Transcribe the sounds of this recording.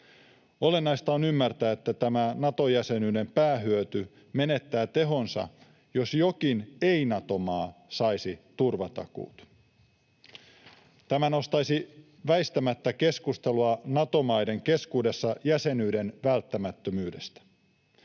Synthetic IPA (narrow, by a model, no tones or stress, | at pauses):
o̞le̞nːɑist̪ɑːnymːært̪æːet̪ːæt̪æmænɑt̪o̞jæse̞nyːde̞mpæːɦyøt̪y | me̞ne̞t̪ːæːt̪e̞ɦo̞nsɑ̰ | jo̞sjo̞kineinɑt̪o̞mɑːsɑjsit̪urʋɑt̪ɑ̰kṵːt̪ | t̪æmæno̞st̪ɑjsi | ʋæjst̪æmæt̪ːæke̞skust̪e̞luɑnɑt̪o̞mɑjde̞ŋke̞skuːde̞sːɑjæse̞nyːde̞nʋælt̪ːæmæt̪ːømyːde̞st̪æ̥